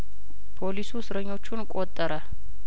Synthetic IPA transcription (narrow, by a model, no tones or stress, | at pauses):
pʰo̞lisusɨɾəɲːo̞t͡ʃːunkʼot̪ʼːəɾə